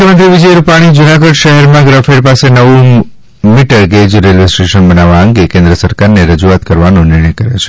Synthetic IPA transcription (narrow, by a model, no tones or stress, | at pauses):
əmənt̪ɾiʋid͡ʒəjɾupaɽ̃id͡ʒunaɡəɖʃəɦɛɾmãɡɾafeɖpasenəʋu | miʈəɽɡed͡ʒɾelesʈɾeʃənbənaʋãəŋɡekẽnd̪ɾəsəɾkaɾneɾəd͡ʒuat̪kəɾʋanonɪɾɳ̃əjkəɾet͡ʃʰe̥